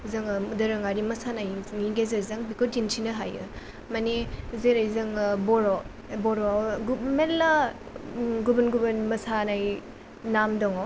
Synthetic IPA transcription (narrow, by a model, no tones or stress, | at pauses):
zɐŋdɐɾɐŋaɾimɐsanajŋiŋɡezezɐŋbikotinsʰinɐɦajɯ̰ | mɐnezeɾajzɐŋbɔɾɔ | bɔɾɔɡumelːa | ɡubɯnɡubɯnmɐsanaj | namdɔŋɔ